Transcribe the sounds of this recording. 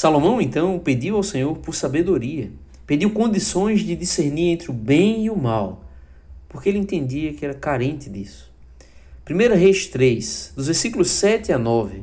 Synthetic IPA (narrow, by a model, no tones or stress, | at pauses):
salomɐ̃w̃ẽnt̪ɐ̃w̃ped̪iwawsẽɲoɾpoɾsabed̪oɾiɐ | ped̪iwkõnd̪isõj̃zd͡ʒɪd̪iseɾniɾẽnt̪ɾɪʊbẽj̃iʊmaw | poɾkeelẽt̪ẽnd̪iɐkɪɛɾɐkaɾẽnt̪ɪd̪ḭsʊ̥ | pɾimejɾɐɦejʃt̪ɾejsd̪ʊzveɾsikulʊsɛt̪ɪanɔvɪ